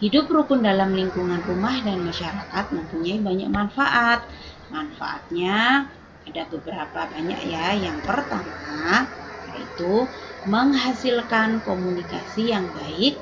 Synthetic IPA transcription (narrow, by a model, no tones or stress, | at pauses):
hidʊp̚ɾukʊndalamliŋkuŋanrumahdanmaʃaɾakat̪̚məmpuɲaibaɲa̰k̚manfaʔat̪̚ | manfa̰ʔa̰t̪̚ɲa | adabəbəɾapabaɲa̰k̚jajaŋpərt̪ama | aḭt̪uməŋɦasilkankomunikasijaŋbaɪk̚